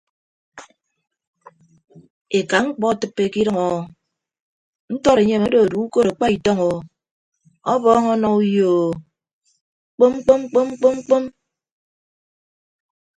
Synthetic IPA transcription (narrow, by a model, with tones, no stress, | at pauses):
e˨ka˨ŋ͡m̩˦k͡pɔ˦˨tɨ˦pːe˦ki˦ɾʌ˦ŋɔ˨ | n̩˦tɔ˦ɾe˨ɲe˦˨mo˦do˨o˨du˨˦u˦ko˦ɾa˨k͡pa˦i˨tɔ˦ŋɔ˨ | ɔ˦bɔ˦ŋɔ˦nɔ˦u˦joː˨˦ | k͡po˦mŋ͡mk͡po˦ŋ͡mk͡po˦mŋ͡mk͡po˦ŋ͡mk͡po˦m